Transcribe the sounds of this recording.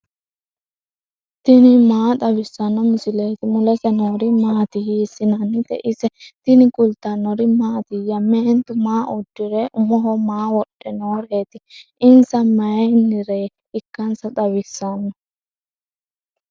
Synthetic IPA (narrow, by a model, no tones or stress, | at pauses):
t̪ɪnɪmaːt̪ɐwɪsːɐnːɔmʊsɪleːt̪ɪmʊlɛsɛnoːɾɪmaːt̪ɪɦisːɪnɐnːɪt̪ɛ̰ʔɪsɛt̪ɪnɪkʼʊlt̪anːɔɾɪmaːt̪ɪjɐmːeːnt̪ʊmaːʔʊd̪ːɪɾɛʔʊmɔɦɔmaːwɔɗːɛnoːɾeːt̪ɪɪnsɐmɐjɛnːɪɾe | ɪkːɐnsɐt̪ɐwɪsːɐnːɔ